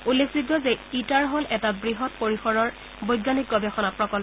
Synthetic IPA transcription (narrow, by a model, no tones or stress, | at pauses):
ulːekʰsitbɔzeitaɹɦolʔɛtabɹiɦɔtpoɹixɔɹɔɹ | bojɡanik̚ɡɔbexɔnapɹɔkɔl